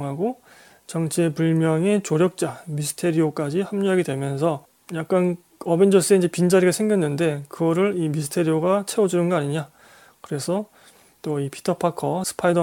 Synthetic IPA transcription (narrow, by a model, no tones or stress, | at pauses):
ɦaɡo | t͡ɕʌŋt͡ɕʰepuɭmjʌŋe̞t͡ɕoɾjʌk̚t͡ɕ͈amisʰɯ̥tʰe̞ɾiok͈ad͡ʑihamɲuɦaɡedwe̞mjʌns̬ʰʌ | jak̚k͈an | ʌbend͡ʑʌs͈ɯeind͡ʑe̞pind͡ʑaɾiɡasʰeŋɡjʌnːɯnde̞kɯɡʌɾɯɾimisʰɯ̥tʰe̞ɾioɡat͡ɕʰe̞ʌd͡ʑunɯnɡʌaɲiɲa | kɯɾe̞sʰʌ | t͈oipʰi̥tʰʌpʰakʰʌsʰɯ̥pʰaidʌ